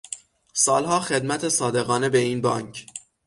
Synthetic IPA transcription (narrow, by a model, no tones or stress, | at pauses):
sɒːlhɒːxed̪mæt̪ʰesɒːd̪e̞ɣɒːne̞beiːnbɒ̰ːŋcʰ